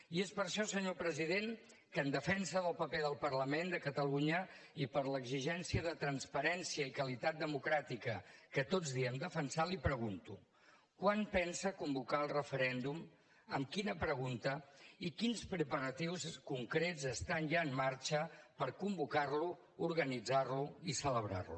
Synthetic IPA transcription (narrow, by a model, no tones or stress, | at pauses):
iespəɾʃɔsəɲopɾəziðeŋ | kənd̪əfɛnsəðəlˠpəpɛðəlˠpərləmend̪əkət̪əluɲəipəɾləɡziʒɛnsiəðət̪ɾənspəɾɛnsiəikəlit̪at̪̚d̪əmukɾat̪ikəkət̪od͡zðiəmd̪əfənsalipɾəɣunt̪ṵ | kwanpɛnsəkumbukalˠrəfəɾɛnd̪um | əmkinəpɾəɣ̞unt̪əikinspɾəpəɾət̪iwskuŋkɾezəst̪anʒaəmːaɾt͡ʃəpəɾkumbukarlu | uɾɣənid͡zarluisələβɾa̰rlṵ